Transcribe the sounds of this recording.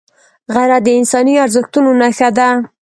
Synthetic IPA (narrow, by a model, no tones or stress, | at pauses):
ɣaɾad̪əɪnsɑniaɾzəxt̪unonaxad̪a